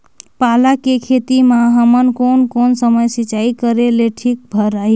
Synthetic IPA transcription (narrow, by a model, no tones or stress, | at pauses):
palakekʰet̪imaɦəmənkonkonsəməjsit͡ʃaikəɾeleʈʰik̚bʱəɾai